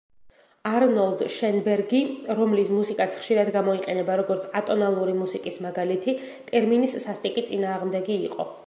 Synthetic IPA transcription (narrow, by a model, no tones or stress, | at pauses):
aɾnɔlˠd̪ʃɛnbɛɾɡiɾɔmlismusikʼat̪sʰχʃiɾad̪ɡamɔiqʼɛnɛbaɾɔɡɔɾt̪sʰʼat̪ʼɔnalˠuɾimusikʼismaɡalit̪ʰi | t̪ʼɛɾminisːast̪ʼikʼit̪sʼinaːʁmd̪ɛɡiːqʼɔ̰